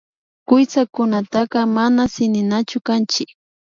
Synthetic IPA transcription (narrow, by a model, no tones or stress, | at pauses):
kʊjt͡sakʊnat̪aqɑmanasɪnɪnat͡ʃʊkant͡ʃɪk